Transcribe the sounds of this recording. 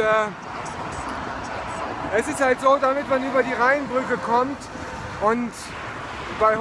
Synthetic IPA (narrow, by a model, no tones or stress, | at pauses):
ɛː | ʔɛsɪsthaltz̥oːdamɪtmanʔyːbɐdiːʁaɪnbʁʏkəkʰɔmt | ʔʊnt | b̥aɪ